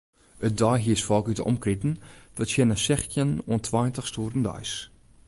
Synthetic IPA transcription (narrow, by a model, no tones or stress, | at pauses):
ət̚dɔjɦiəsfɔlˠkytəɔ̰mkritn̩ʋɔtsjɛnəsɛxtjənoəntʰʋajntəxstuːrn̩dœ̰js